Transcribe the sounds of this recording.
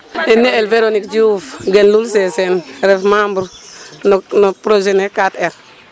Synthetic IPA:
enːeelveɾonikd͡ʒufɡenlulsesenɾefmambuɾnnopɾod͡ʒenekateɾ

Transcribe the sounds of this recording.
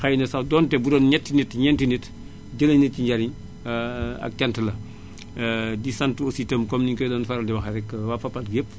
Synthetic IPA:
xajnɐsɐwdɔːntɛbudɔːnɲɛtːinitɲɛntinit | ɟələniciɲɟaɾiɲ | ɐ̰k̚tantəlɐ | disantositəmkɔmniŋkɔdɔnfaɾɐldiwɐxɐɾɛkːwafɐpːalɡep̚

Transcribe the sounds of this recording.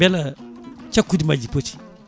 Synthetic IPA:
elat͡ʃakːudimad͡ʒipot͡ʃi̥

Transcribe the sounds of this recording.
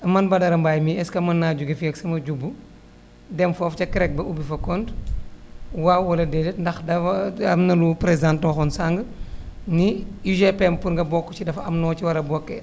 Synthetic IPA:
ɐmɐnbɐdɐɾɐmbaːjmiɛskɐmɐnːaːd͡ʒuɡɐfiɐksɐmɐɟubːu | dɛmfɔːfcɐkɾɛk̚bɐʔubifɐkɔnd | wawɐlɐdɛdɛtndɐxdɐɐmnɐlupɾɛzãntnɔxɔnsaŋɡəniiʒɛpɛmpuɾŋɡɐbɔkːɔt͡ʃidɐfɐ̰mnɔːt͡ʃiwɐɾɐbɔkːɛ

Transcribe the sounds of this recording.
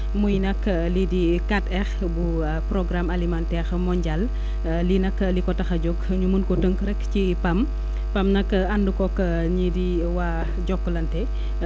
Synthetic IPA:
mujnɐkː | lidikatɛx | bu | prɔɡɾamalimantɛxmɔɲɟal | linɐkːlikɔtɐxɐɟɔk | ɲumunkɔtəŋkɾɛkci | pɐm | pɐmnɐkɐndukɔkː | ɲidi | wa | ɟɔkːlɐntɛ

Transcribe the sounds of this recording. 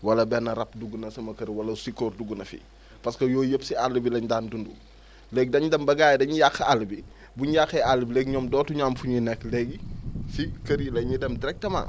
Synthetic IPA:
wɐlɐbɛnːɐɾɐpduɡunɐsɐmɐkɐɾiwɐlɐsikɔːrduɡunɐfḭ | pɐskɐjɔːjəpsialːubilɐɲdandundu | lɛɡ̚dɐɲdɐmbɐɡaːjdɐɲijaxɐalːbi | buɲjaxɛalːbilɛːɡ̚ɲɔːmdɔːtuɲamfuɲinɛkːlɛɡifikɐɾilɐɲidɛmdiɾɛk̚tɐma̰ː

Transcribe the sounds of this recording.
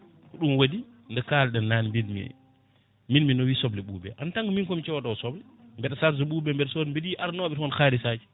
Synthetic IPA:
kɔɗumwadindɛkaːlɗɛnːanmbidmḭ | minminɔwiːsɔblɛɓṵːbɛ̰ʔantaŋɡminkɔmit͡ʃɛwadawɔsɔblɛ | mbɛɗsaɾzuɓuːbɛmbɛɗsodmbidiʔaɾnɔːɓɛthɔnxaːɾisad͡ʒi

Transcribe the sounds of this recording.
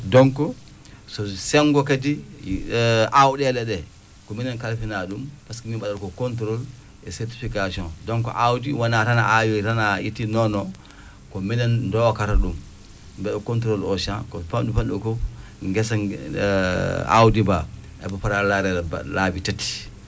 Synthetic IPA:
dɔŋkɔ | sɔsɛŋɡɔkadi | ʔawɗɛlɛɗɛ | kɔminankalfinaɗumpaskimiɓaɗaɾɔkɔkɔntɾol | ɛsɛɾti̥fikasiɔ̃ndɔŋkɔ̰ʔawdiwanaɾanaʔajtanajitːinɔnɔ | kɔminɛndɔkaɾaɗum | bɛɗɔkɔnt̬ɾolɔʃankɔpamɗupanɗukɔ | ŋɡɛsa | a̰wdibaʔɛ̰bɔfaɾalaɾɛ̰labitati̥

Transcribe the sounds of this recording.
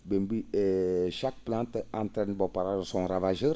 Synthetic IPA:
bɛmbiɛʃak̚plãnt̪ãnt̪ɾɛ̃nbɔpaɾaʒsɔ̃ɾavaʒəɾ

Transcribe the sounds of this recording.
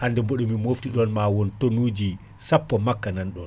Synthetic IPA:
handɛmboɗumimoftiɗɔnmawɔntonuːd͡ʒi | sapːɔmakːananɗɔn

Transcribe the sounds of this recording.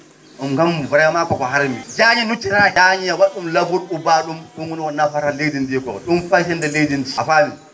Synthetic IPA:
ɗumɡamvuɾajamakɔkɔɦaɾmid͡ʒaɲinut͡ʃːiɾahaɲijawaɗumlabuɾubaɗumɗuŋwuniwanːafaɾalejdindijɛkɔ̰ɗumfaʃ̬ɛndɛledind͡ʒiafami

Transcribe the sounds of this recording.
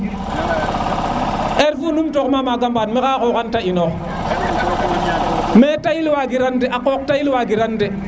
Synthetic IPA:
ʔeɾvunumtokmamaɡambaːnmekakokantaʔinok | metajilwaɡiɾandeʔakoːk̚tailwaɡiɾande

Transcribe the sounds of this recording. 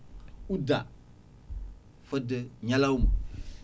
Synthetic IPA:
uda | fədəɲalauma

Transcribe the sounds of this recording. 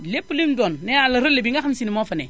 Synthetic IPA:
lepːulimdonːɛalaɾolebiŋɡaxamsinimofanḛ

